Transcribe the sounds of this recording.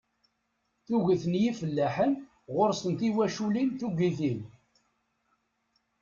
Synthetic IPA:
θuʝəθənjifəlːæħən | ʁʊɾsənt̪iwæʃulinθuɡʷiθin

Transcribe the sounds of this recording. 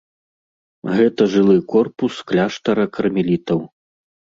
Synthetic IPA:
ɣɛt̪ɐʐɨlˠɨkɔrpusklʲaʂt̪ɐɾɐkʰɐrmʲilʲit̪ɐw

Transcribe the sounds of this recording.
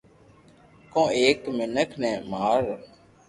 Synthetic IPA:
kõːeːkmɪnəkʰnɛ̃ːmaːɾ

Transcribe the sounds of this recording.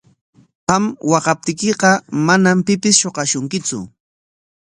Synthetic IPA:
pamwɑqɑp̚t̪ɪkɪqɑmanampɪpɪsʃoqɑʃʊŋkɪt͡sʊ̰

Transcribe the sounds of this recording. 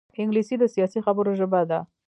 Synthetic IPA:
ɪŋɡlisid̪əsijɑsixabəɾoʒəbad̪a

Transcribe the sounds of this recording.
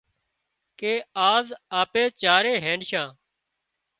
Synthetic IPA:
keːaːzaːpeːt͡ʃaːɾeːɦeːnʃãː

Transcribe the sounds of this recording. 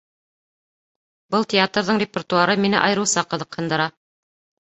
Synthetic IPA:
bɤlˠt̪ʲɪat̪rðɤɴrʲɪpʲɪrt̪uaɾɤminɘ̰ʔɑjɤ̆ɾɤwsɑqɤ̆ðɤ̆qhɤ̆nd̪ɤ̆ɾɑ

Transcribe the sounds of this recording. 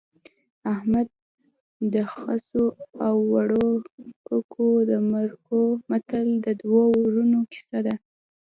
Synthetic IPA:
ahmad̪̚ | d̪əxasoawːaɽokəkʰod̪əmaɾkomat̪əld̪əd̪waɾunoki̥sad̪a

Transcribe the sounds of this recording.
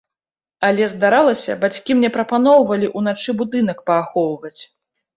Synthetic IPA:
alʲɛzd̪aɾalˠɐsʲɐ̰bat͡sʲkʲimnʲɛpɾɐpan̪ɔwvɐlʲiʔun̪at͡ʂɨbud̪ɨn̪ɐkpɐːxɔwˠvɐt͡sʲ

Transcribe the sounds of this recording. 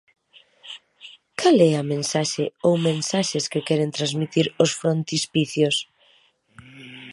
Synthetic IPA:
kalɛamẽnsaʃeowmẽnsaʃeskekɛɾent̪ɾanzmit̪iɾosfɾont̪ispiθjos

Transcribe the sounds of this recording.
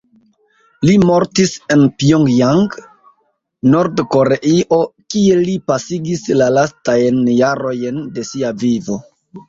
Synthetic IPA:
limo̞ɾtise̞npioŋɡjaŋɡ | no̞ɾdko̞ɾeʔiʔo̞kie̞lipasiɡislalastajnjaɾo̞jnde̞siavivo̞

